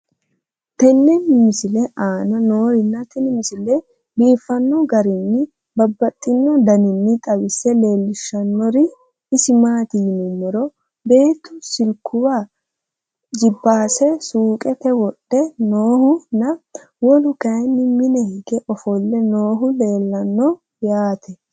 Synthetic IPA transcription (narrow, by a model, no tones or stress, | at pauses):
t̪ɛnːɛnːɪmɪsɪlɛʔaːnɐno̞ːɾɪnːɐt̪ʰɛnɪmɪsɪlːɛ | biːfːɐnːɔɡɐɾɪnːɪ | bɐbːɐt̪ʼːɪnːɔd̪ɐnɪnːɪt̪ʼɐwɪsɛle̞ːlːɪʃːɐnːɔɾɪ | ɪsɪmaːt̪ɪjɪnʊmːɔɾɔ | be̞ːt̪ːʊsɪlkʰʊwa | d͡ʒɪbːaːsɛsuːkʼɛtɛwɔɗːɛnoːhʊnɐ | wɔlʊkɐjnːɪmɪnɛhɪɡɛʔɔfɔlːɛnoːɦʊle̞ːlːɐnːɔ | jaːt̪ʰɛ